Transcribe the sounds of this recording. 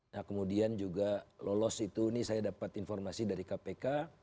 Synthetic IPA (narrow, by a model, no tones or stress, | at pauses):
nakəmudiand͡ʒuɡalolɔsit̪unisajadapat̪infɔrmasidaɾikapeka